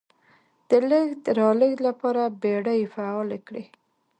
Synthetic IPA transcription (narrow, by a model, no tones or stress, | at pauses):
d̪̥ələɡd̪əɾɑləɡlapɑɾabeɽəjfaɑlekɽi